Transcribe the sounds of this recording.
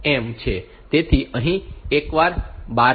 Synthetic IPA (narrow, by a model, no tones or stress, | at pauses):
emt͡ʃʰe | t̪et̪ʰiʔəɦĩekʋaɾba